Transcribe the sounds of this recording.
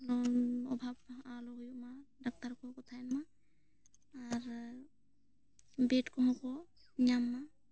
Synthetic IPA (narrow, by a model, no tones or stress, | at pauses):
lɔnɔbʱabalɔɡjumadak̚taɾkɔkɔt̪ʰanma | aɾ | betkɔmɔkɔ | ɲamːa